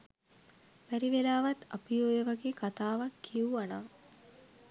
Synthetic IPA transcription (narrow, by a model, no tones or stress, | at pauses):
ʋæɾiʋelaːʋɐt̪apijojeʋaɡeːkat̪aːʋakʰːiuana